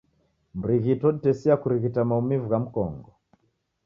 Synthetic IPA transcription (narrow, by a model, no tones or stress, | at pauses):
m̩ɾiɣitɔnitɛsiakuɾiɣitamaumivuɣam̩kɔ̰ŋɡɔ